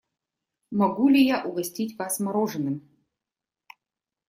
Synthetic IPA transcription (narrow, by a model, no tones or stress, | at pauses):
mɐɡulʲijaʔuɣɐsʲtʲitʲkɑsmɐɾoʐɨnɨm